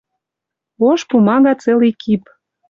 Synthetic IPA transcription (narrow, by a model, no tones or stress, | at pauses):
oʃpumɑɣɑt͡selikʰip